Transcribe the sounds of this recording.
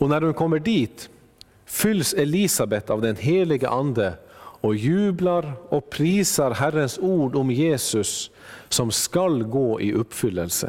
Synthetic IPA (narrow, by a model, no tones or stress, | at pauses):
ɔnæɾhʉnkʰɔmːəɖiːt̪ | fʏlsɛliːsɑbɛt̪ɑʋd̪ɛnɦeːlɪɡə̰ʔɑnd̪əɔjʉːblɑɾɔpʰɾiːsəɾɦæɾənsuːɖʊmjeːsʉsː | ɔmskɑlɡoːʔiːʔʊpfʏlːəlsə̰